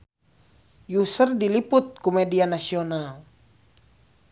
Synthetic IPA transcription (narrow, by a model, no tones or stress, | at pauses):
jusərdilipʊt̪̚kumɛdianasional